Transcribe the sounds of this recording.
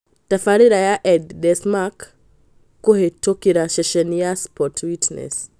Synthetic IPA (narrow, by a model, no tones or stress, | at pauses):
tafaɾiɾajaʔɛddɛsmakː | uhetokiɾaʃɛʃɛnijaspʰɔtʰwitnɛ̰s